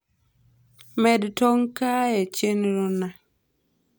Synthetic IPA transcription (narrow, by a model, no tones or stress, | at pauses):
mɛdtɔŋkajɛt͡ʃenɾona